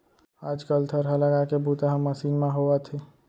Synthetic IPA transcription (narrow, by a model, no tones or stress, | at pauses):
aːd͡ʒkəlt̪ʰəɾɦələɡakebuːt̪aɦəmːəsiːnmẽɦoət̪ʰe